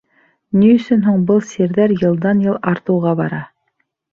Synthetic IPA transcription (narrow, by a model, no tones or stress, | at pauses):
niɵ̆sɵnɦuɴbɤlˠsiɾðæɾjɤ̆lˠd̪ɑnjɤlˠɑɾt̪ɤ̆wʁɑbɑɾɑ